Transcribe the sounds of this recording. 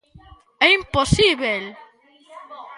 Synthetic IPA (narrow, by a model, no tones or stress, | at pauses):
ɛimposiβel